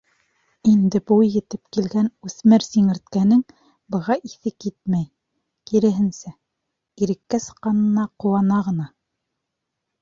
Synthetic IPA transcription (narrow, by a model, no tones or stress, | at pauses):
ind̪ɘ̆bujjɘ̆t̪ɘp̚kilɡænʉθmɘɾsiŋɘ̆ɾt̪̚kænɘŋ | bɤ̆ʁɑʔiθɘkit̪̚mæj | kiɾɘ̆ɦɘ̆nsæ | iɾɘ̆kːæsɤ̥̆qqːɑnɤ̆nɑqŏwɑnɑʁɤ̆nɑ